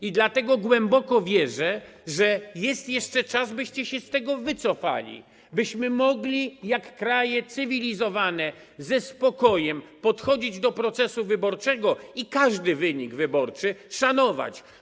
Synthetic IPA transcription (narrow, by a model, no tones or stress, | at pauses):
id̪lat̪ɛɡɔɡwɛmbɔkɔvʲjɛʐɛʐɛjɛst̪jɛʂt͡ʂɛt͡ʂazbɘɕt͡ɕɛɕɛst̪ɛɡɔvɘt̪sɔfa̰lʲḭ | bɘɕmɘmɔɡlʲijakːɾajɛt̪sɘvʲilʲizɔvanɛ | zɛspɔkɔjɛmpɔt̪xɔd͡ʑid͡ʑd̪ɔpɾɔt̪sɛsuvɘbɔɾt͡ʂɛɡɔikaʐd̪ɘvɘɲiɡvɘbɔɾt͡ʂɘʂanɔva̰t͡ɕ